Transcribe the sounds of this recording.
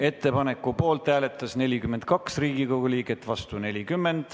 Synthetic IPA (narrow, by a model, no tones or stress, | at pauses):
e̞t̪ːˑe̞pɑne̞kːˑupo̞ːlt̪ˑːæːle̞t̪ːˑɑsne̞lʲikyme̞nd̪̚kɑksriːɡ̥iko̞ɡ̥uliːɡe̞t̪ːˑvɑst̪une̞lʲikymːe̞nd̪̥